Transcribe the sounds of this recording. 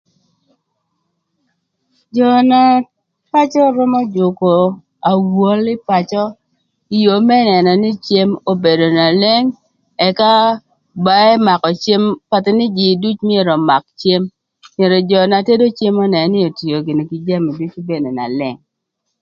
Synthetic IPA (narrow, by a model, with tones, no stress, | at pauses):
d͡ʒɔ˨na˦ | pa˦t͡ʃɔ˦ɾɔ˦mɔ˦d͡ʒʊ˨ko˨ | a˨wo˦lɪ˦pa˨t͡ʃɔ˦ | i˨jo˨mɛ˦nɛ˨nɔ˨nɪ˦t͡ʃje˦mo˦be˨do˨na˨le˦ŋ | ɛ˨ka˦ | ba˦ɛ˦ma˨kɔ˨t͡ʃje˦mpa˨tɪ˨nɪ˦d͡ʒɪ˨du˦t͡ʃmi˦e˦˨ɾɔ˨ma˨k̚t͡ʃje˦m | mje˨ɾɔ˨d͡ʒɔ˨na˨te˦do˦t͡ʃje˦mɔ˦nɛ˨˦nɪ˦o˨ti˨jo˨ɡɪ˨no˨ki˨d͡ʒa˦mi˨du˦t͡ʃbe˦ne˨na̰˨lɛ˦ŋ